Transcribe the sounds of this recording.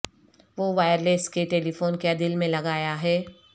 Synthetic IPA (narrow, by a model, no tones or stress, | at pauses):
ʋoʋaːjəɾleːskeʈeːlifoːnkjad̪ɪlmẽlɐɡaːjaɦɛː